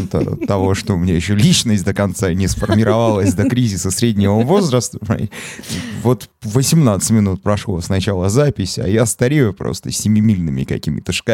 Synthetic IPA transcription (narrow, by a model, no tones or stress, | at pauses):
nt̪ə̰t̪ɐvo̞ʂt̪omɪnʲajɪɕːolʲit͡ɕnəsʲtʲd̪əkɐnt̪sanʲɪsfərmʲɪɾɐvalˠəsʲd̪əkɾʲizʲɪsəsɾʲedʲnʲɪvəvo̞zɾəst̪ə̰tʲvo̞t̪vəsʲɪmnat̪sɨ̥tʲmʲɪnut̪̚pɾɐʂlˠo̰snɐt͡ɕalˠəzapʲɪsʲa̰jast̪ɐɾʲejʊpɾo̰st̪əsʲɪmʲɪmʲilʲnɨmʲɪ̰kɐ̰kʲimʲɪt̪əʂka